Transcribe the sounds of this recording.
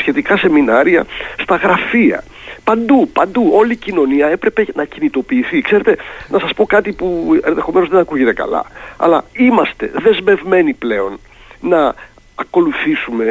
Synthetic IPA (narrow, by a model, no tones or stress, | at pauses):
sçe̞t̪ikɐse̞minɐɾiɐ̰st̪ɐɣɾɐfiɐ̰ | pɐnd̪upɐnd̪uo̞licino̞niɐe̞pɾe̞pe̞nɐcinit̪o̞piːθikse̞ɾe̞t̪e̞nɐsɐspo̞kɐt̪ipue̞nðe̞xo̞me̞nozðenɐkuʝe̞t̪e̞kɐ̰lɐ̰ɐ̰lɐimɐst̪e̞̰ðe̞zme̞vme̞niple̞o̞n | nɐː | ko̞luθisume̞